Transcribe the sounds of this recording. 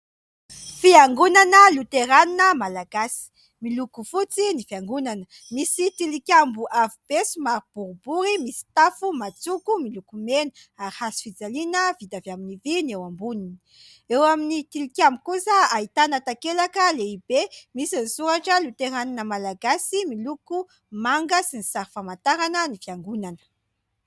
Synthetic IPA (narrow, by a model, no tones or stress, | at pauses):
fiaŋɡunanəlut̪eɾaninəmalaɡasi̥ | milukufut͡sinifiaŋɡunanə | misit̪ilikʲjambuʔavib̥esumaɾib̥uɾubuɾimisi̥t̪afumat͡sukumilukumenuaɾhasi̥fid͡zalinəvid̪avjaminivinewambunini | ewaminit̪ilikʲjambukusəaɦit̪anat̪akelakəleibemisinisuɾaʈ͡ʂəlut̪eɾaninəmalaɡasimiluku | maŋɡəsinisaɾifamant̪aɾanənifjaŋɡunanə̥